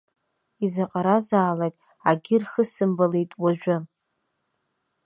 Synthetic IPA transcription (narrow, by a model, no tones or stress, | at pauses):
izaqʼaɾazaːlatʼ | aɡʲɪrχəsɨmbalejtʼwaʒᶣʷʊ